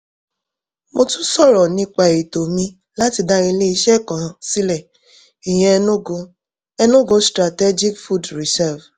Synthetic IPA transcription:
mo˧tũ˦sɔ˦˨ɾɔ˨nĩ˧k͡pa˨i˨to˨mĩ˧ | la˦ti˧da˧ɾi˧le˦i˧˦ʃɛ˦kɔ̃˨si˦lɛ˦˨ | i˨j̃ɛ̃˧nũ˦o˧ | ɛ˧nũ˦ɡo˧stɾa˨tɛ˦d͡ʒi˦kfu˦dɾi˨sɛ˦˨v

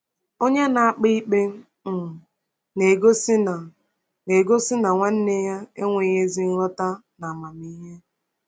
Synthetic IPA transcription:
o˦ɲe˦na˨a˦k͡pi˦k͡pe˦ | m̩˨ | ne˨ɡo˦si˦na˨ | ne˨ɡo˦sɪ˦na˨ŋʷa˦n̩˦ne˦ja˦e˦ŋʷe˨ɲe˦zi˦n̩˦ɾɔ˦ta˦na˨ma˨mi˦ɦe˦

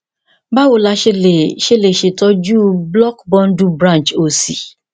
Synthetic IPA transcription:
ba˦wo˨la˧ʃe˦le˨ʃe˦le˨ʃe˨tɔ˧˦d͡ʒu˦blɔ˦kbɔ̃˦ndu˦bɾã˦nt͡ʃo˨si˨

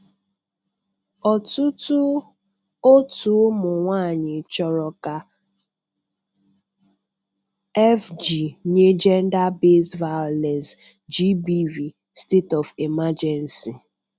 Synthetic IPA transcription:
ɔ˨tʊ˦tʊ˦ | o˦tu˨˦mʊ˨ŋʷaː˦˨ɲɪ˨t͡ʃɔ˨ɾɔ˨ka˨ | ɛ˦fd͡ʒi˨ɲe˦d͡ʒɛ˦n̩˦da˦be˦sva˦ɔ˨lɛ˨ns | d͡ʒi˦bi˦vi˨ | ste˦tɔ˨fi˨ma˦d͡ʒɛ˨n˨si˨

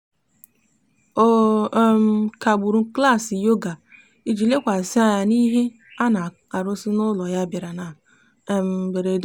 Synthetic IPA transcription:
o˦m̩˨ka˨ɡ͡bu˨ɾu˨˦kla˦˨si˨jo˦ɡa˨ | i˦d͡ʒi˨le˦kʷa˨sɪ˦a˨ja˦˨ni˦ɦe˦ | a˦na˨ | a˨ɾʊ˦sɪ˦nʊ˦lɔ˨ja˦ba˨ɾa˨na˨ | m˨be˨ɾe˨d

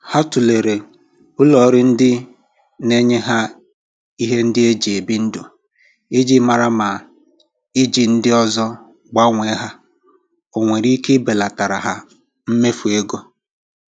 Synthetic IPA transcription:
ha˦tu˨le˨ɾe˨ | ʊ˦lɔ˨ɾɪ˦n̩˦dɪ˦ | ne˦ɲe˦ɦa˦ | i˦ɦe˦n̩˦dɪ˦e˦d͡ʒi˨e˨bi˦n̩˦dʊ˨ | i˦d͡ʒi˦ma˨ɾa˦ma˨ | ɪ˦d͡ʒi˨n̩˦dɪ˦ɔ˦zɔ˦ | ɡ͡ba˦ŋʷe˨˦ɦa˦ | o˨ŋʷe˨ɾi˦ke˦be˨la˨ta˨ɾa˨ɦa˦ | m̩˦me˦fu˨e˦ɡo˦

